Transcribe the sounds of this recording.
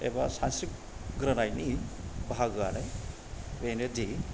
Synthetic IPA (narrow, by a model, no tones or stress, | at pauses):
ḛba̰sansik̚ | ɡɾanajnibʱaɡaɾaj | benedi